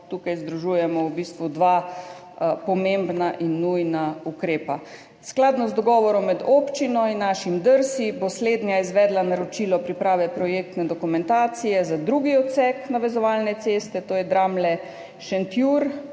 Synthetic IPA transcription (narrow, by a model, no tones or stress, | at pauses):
t̪ukajzd̪ɾuʒuːjɛmɔwbist̪ʋud̪ʋa | pɔmembnaʔinːujnaukɾeːpa | sklaːd̪nɔzd̪ɔɡɔːʋɔɾɔmːɛd̪oːpt͡ʃinɔinːaʃimd̪əɾsibosled̪njaizʋɛːd̪lanaɾɔt͡ʃiːlɔpɾipɾaːʋɛpɾɔjek̚t̪nɛd̪ɔkumɛnt̪aːt̪sijɛzad̪ɾuɡiɔt̪sɛknaʋɛzɔʋalnɛt̪sest̪ɛt̪oːjɛd̪ɾamlɛ | ʃɛnt̪juɾ